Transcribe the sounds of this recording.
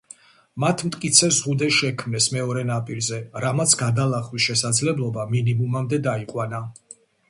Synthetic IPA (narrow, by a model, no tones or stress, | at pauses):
mat̪ʰmt̪ʼkʼit̪sʰɛzʁud̪ɛʃɛkʰmnɛsmɛɔɾɛnapʼiɾzɛɾamat̪sʰɡad̪alˠaχwisʃɛsad̪zlɛblˠɔbaminimumamd̪ɛd̪aiqʼwana